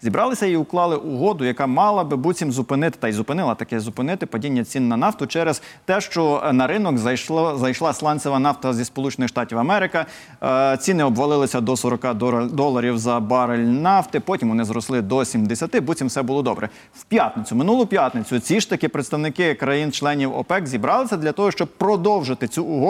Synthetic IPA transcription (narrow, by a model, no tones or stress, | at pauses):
zʲibɾʔɑlˠɪsʲɐiʊklˠɑlˠɪʔuɦɔd̪ʊjɐkɑmɑlˠɐbɪbut͡sʲimzʊpɪnɪt̪ɪ̥t̪ɐizʊpɪnɪlˠɐt̪ɐkɛzʊpɪnɪt̪ɪpɐdʲinʲːɐt͡sʲinːɐnɑwt̪ʊt͡ʃɛɾez̥t̪ɛʃt͡ʃɔnɐɾɪnɔkzɐjʃlˠɑslˠɑnʲsʲɔʋɐnɑwt̪ɐzʲispɔlˠut͡ʃenɪxʃt̪ɑtʲiwɐmɛɾɪkɐ | t͡sʲinɪɔbʋɐlˠɪlˠɪsʲɐd̪ɔsɔɾɔkɑd̪ɔlˠɐɾʲiwzɐbɑɾelʲnɑft̪ɪpɔtʲimʋɔnɪzɾɔslˠɪd̪ɔsʲimd̪esʲɐt̪ɪbutʲimwsɛbulˠɔd̪ɔ̰bɾʔɛ | wpʲjat̪nɪt͡sʲʊmɪnulˠʊpʲjat̪nɪt͡sʲʊt͡sʲiʃt̪ɐkɪpɾet̪st̪ɐwnɪkɪkɾɐjint͡ʃlˠɛnʲiwɔ̰pɛkzʲibɾɑlˠɪsʲɐd̪lʲɐt̪ɔɦɔʃt͡ʃɔb̚pɾɔd̪ɔwʒɪt̪ɪt͡sʲuʊɦɔ